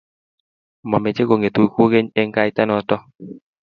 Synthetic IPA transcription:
mɔ˨me˨t͡ʃe˦ko˨ŋe˨t̪o˨i˨kʷo˦ɡe˦ɲe˦ŋɡa˦jta˦nɔ˨tɔ˦

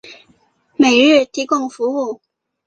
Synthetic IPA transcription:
me˨˩ɪɻɻ̩˥˩t̪ʰi˧˥kʊ˥˩ŋfu˧˥u˥˩

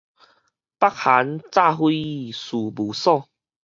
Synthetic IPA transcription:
pa˥k̚ha˨˦nt͡sa˥˧ɦwi˦˨su˨˩bu˨˩sɔ˥˧˨

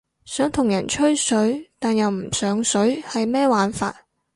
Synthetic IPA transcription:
sœː˨˥ŋt̪ʰʊ˨˩ŋjɐ˨˩nt͡ʃʰɵ˥sɵ˨˥ɥt̪aː˨njɐ˨wm̩˨˩sœː˨˥ŋsɵ˨˥ɥhɐ˨jmɛː˥waː˨nfa̰ː˧t̚

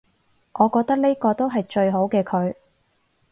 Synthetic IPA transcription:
ʔɔː˨˧kɔː˧k̚t̪ɐ˥k̚ne˥kɔː˧t̪o˥wɦɐ˨jt͡ʃɵ˧ɥɦo˨˥wkɛː˧kʰɵ˨˧ɥ

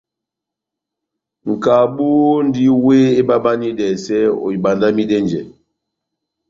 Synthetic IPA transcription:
ŋ̩˨ka˨ɓu˦n˦di˦we˦e˦ɓa˦ɓa˦ni˦dɛ˨sɛ˦o̰˨i˨ɓa˨nda˦mi˦dɛ˦nd͡ʒɛ˨

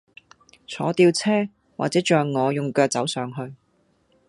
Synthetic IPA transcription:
t͡sʰɔ̰ː˨˥t̪iː˧wt͡sʰɛː˥ | waː˨t͡sɛː˨˥t͡ʃœː˨ŋɔː˨˧jʊ˨ŋkɛː˧t͡sɐ˨˥wsœː˨˧ŋɦɵ˧ɥ

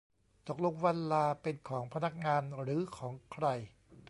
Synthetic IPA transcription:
t̪o˨˩k̚lo˧ŋwa˧nlaː˧pe˧nkʰɔː˩˦ŋpʰa˧na˦˩k̚ŋaː˧nɾɯː˩˦kʰɔː˩˦ŋkʰɾa˧j

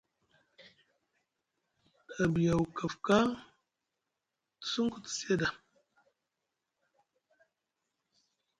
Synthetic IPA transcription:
da˨bi˨ja˨wu˨ka˨fka˦ | tə̥˨su˦ŋ˦ku˨tə̥˨se˦da˨

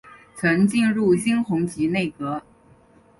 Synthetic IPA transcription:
t͡sʰɤ˧˥ŋt͡ɕi˥˧nɻu˥˩ɕi˥ŋxʰʊ˧˥ŋt͡ɕi˧˥ne˥˩ɪkɤ˧˥

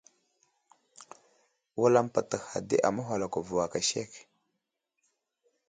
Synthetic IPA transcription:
wa˦la˦mpa˨tə˨xa̰˨dḭ˦ʔa̰˨ma˦ɦʷa˨la˨ka˨vu˨wa˨ka˨ʃḛ˦˨k

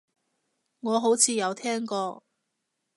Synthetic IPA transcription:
ŋɔː˨˧ɦo˨˥wt͡sʰiː˨˧jɐ˨˧wt̪ʰɛː˥ŋkɔː˧

